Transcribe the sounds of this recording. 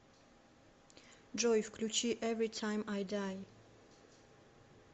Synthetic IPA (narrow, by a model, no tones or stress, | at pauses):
d͡ʒɔjfkʰlut͡ʃʰiʔɛvɹitʰãɪ̃majdaj